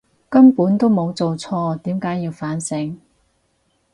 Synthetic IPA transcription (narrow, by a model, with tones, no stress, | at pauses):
kɐ˥mpuː˨˥nt̪o˥wmo˨˧wt͡so˨wt͡sʰɔː˧t̪iː˨˥mkaː˨˥jːiː˧wfaː˨˥nsɪ˨˥ŋ